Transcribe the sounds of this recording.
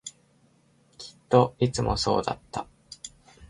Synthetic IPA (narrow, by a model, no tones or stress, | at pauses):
kʰʲi̥t̪ːo̞it͡sɨmʔo̞̰so̞̰ːd̪a̰t̪ːa